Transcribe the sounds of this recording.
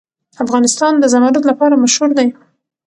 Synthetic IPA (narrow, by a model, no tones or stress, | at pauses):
afɣɑnɪst̪ɑnd̪əzamaɾʊd̪lapɑɾamaʃhuɾd̪aj